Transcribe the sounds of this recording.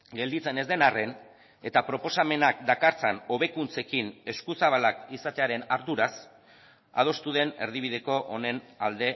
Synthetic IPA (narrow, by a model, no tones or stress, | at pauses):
ɡe̞ld̪it͡se̞ne̞zd̪e̞nare̞n | e̞t̪apɾo̞po̞same̞nak̚d̪akaɾt͡seno̞βe̞kunt͡se̞kine̞skusaβalakisat̪e̞aɾe̞naɾðuɾas | a̰ð̞o̞st̪uðe̞ne̞ɾðiβiðe̞ko̞ʔone̞nald̪e̞